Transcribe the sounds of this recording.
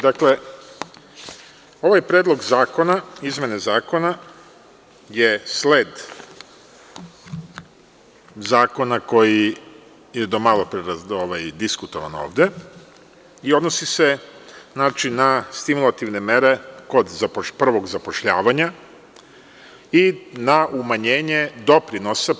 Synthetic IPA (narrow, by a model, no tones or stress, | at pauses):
d̪akle̞ | o̞ʋajpɾe̞ːd̪lˠo̞ɡzaːko̞naizmʲje̞nezaːko̞na | jesled̪ | zaːko̞nako̞ji | jed̪o̞malˠo̞pɾeɾaoʋajd̪iskut̪o̞ʋa̰no̞̰ːʋd̪e̞ | io̞d̪nosiseznaːt͡ʃinast̪imulˠat̪iʋne̞meɾe̞ko̞d̪zaopr̩ʋo̞ɡzapo̞ʃʎaːʋaɲa | inaumaɲeːɲe̞d̪o̞pɾino̞sa